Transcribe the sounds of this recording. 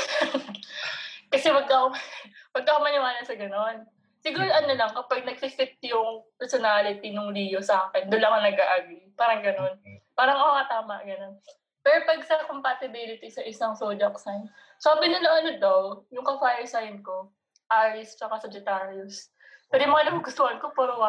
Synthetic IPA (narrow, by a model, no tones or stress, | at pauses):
kɐsɛwɐɡ̚kɐowɐɡ̚k̪ɐkomɐnʊŋaːnɐsɐɡɐno̞n | sɪɡuːɾoʔɐnolɐŋkɐpɐɡ̚nɐɡ̚fɪfɪt̪̚jʊŋpɛɹsonalɪt̪inʊŋliːjosɐaːkɛnd̪ʊnlɐŋɐnɐɡʔaːʔaɡipaːɾɐŋɡɐno̞npaːɾɐŋɐkokɐt̪aːmɐʔɡɐno̞n | pɛːɾopɐɡsɐkompɐt̪ɪbɪlɪt̪isɐʔɪsɐŋsod͡ʒɐksajn | saːbɪɲɐnɐŋʔɐnod̪ɐwjʊŋkɐfajɛsajnko̞ | ʔaːɾɪst͡ʃɐkasɐd͡ʒɛt̪aːɾiʊs | pɛɾjʊmɐŋanɐkʊɡʊst̪ohɐnkopɛɾoa